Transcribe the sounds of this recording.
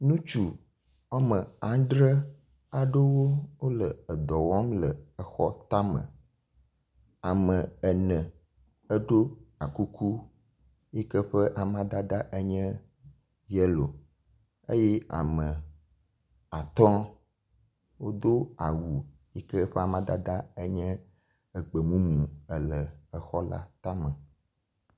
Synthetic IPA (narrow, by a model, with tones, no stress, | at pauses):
nũ˦t͡ʃu˨ | a˦mə̃˨a˨˦ɖɾə˦ | a˨ɖo˦wo˦wo˦lə˨ə˨d̪ɔ˨wɔ˦mlə˨ə˨xɔ˦t̪a˦mə̰̃˨ | a˨mə̃˨ə˨nə̃˨ | ə˦ɖo˦a˨ku˦kʰu˦ | je˦kə˦ɸə˦ʔa˨mã˦d̪a˦d̪a˦ʔə˦ɲɛ̃˦ | jɛ˦lo˨ | ḛ˦jɛ˦a̰˨mə̃˨ | a˨t̪ɔ̃˦ | wo˦d̪o˦a˨wu˨ | ji˦kɛ˦ɸɛ˦a˨mã˦d̪a˦d̪a˦e˦ɲɛ̃˦ | ɛ˨ɡ͡bə˨mũ˦mũ˨ə˨lɛ˨ə˨xɔ˦la̰˦t̪a˦mə̃˨